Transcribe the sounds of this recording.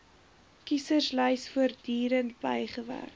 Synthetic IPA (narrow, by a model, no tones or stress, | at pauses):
kisərsləjsfuərdiːɾəntbəjχəvæ̰rk